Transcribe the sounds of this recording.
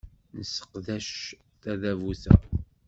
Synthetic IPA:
nəsːə̥qðæʃ | θæðævuθæ̰

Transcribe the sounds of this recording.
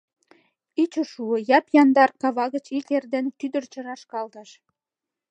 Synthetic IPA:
it͡ɕoʃuə̆jɑpjɑnd̪ɑrkɑβɑɣət͡ɕit̪erd̪ent̪yd̪ərt͡ɕə̆ɾɑʃkɑld̪ɑʃ

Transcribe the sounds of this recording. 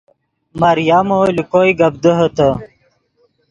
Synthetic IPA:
mɐɾjamolikojɡɐbd̪əɦət̪ə

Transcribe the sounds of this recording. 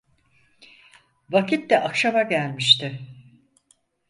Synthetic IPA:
vacʰit̪d̪ɛʔakʃamaɟælʲmiʃt̪ɪ

